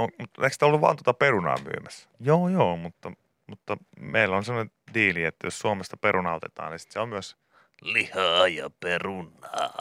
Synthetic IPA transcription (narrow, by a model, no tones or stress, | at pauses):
omut̪eˑiksit̪olːuʋɑ̰nt̪uot̪ɑperunɑ̰ːmy̰ːmæs | joːjoːmut̪ːɑ | mut̪ːɑmeilːonsemːonen | diːliet̪ːæjossuomest̪ɑperunɑˑot̪et̪ɑ̰ːnisi̥t̪seommyøs | lihɑːjɑperunːˑɑː